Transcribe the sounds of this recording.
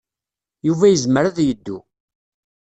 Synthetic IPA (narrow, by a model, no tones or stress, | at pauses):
juvæjəzməɾaðjəd̪ːu